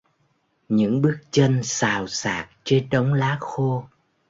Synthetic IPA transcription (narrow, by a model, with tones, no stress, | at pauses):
ɲɨ̰˧˥ŋɓɨ˦˥ək̚t͡ɕə˧nsaː˨˩wsaː˨˩k̚t͡ɕe˧nɗə˨˦wŋ͡mlaː˨˦xo˧